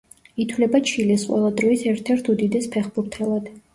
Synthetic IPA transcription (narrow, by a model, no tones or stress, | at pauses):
it̪ʰwlɛbat͡ʃʰilɛsqʼwɛ̰lˠad̪ɾɔisɛɾt̪ʰɛɾt̪ʰud̪id̪ɛspʰɛχbuɾt̪ʰɛlˠad̪̥